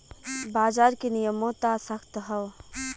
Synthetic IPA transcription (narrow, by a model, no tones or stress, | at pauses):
baːd͡ʒaːɾkenijəmõt̪asəkʰt̪ɦəʋ